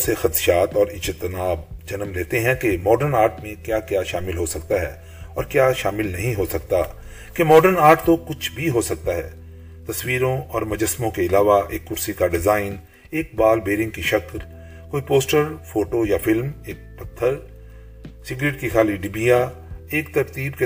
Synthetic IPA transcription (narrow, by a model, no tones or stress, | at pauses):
sexɐt̪ʃaːt̪ɔːɾɪt͡ʃʰɪt̪naːbd͡ʒɐnəmleːt̪eɦɛ̃kemɔːɖəɾnaːɾʈmẽkjaːkjaːʃaːmɪlɦosɐkt̪aɦɛː | ɔːɾkjaːʃaːmɪlnɐɦĩɦosɐkt̪a | kemɔːɖəɾnaːɾʈt̪okʊt͡ʃʰbʱiɦosɐk̚t̪aɦɛ̰ː | t̪ɐswiːɾõɔːɾmɐd͡ʒəsmõkeɪlaːʋaʔeːkːʊɾsikaɖɪzaːɪn | eːk̚baːlbeːɾɪ̃ŋɡkiʃɐkl | koːipoːsʈəɾfoːʈojafɪlmeːk̚pɐt̪ʰːəɾ | sɪɡɾeːʈkixaːliɖibiːja | eːk̚t̪ɐɾt̪iːbke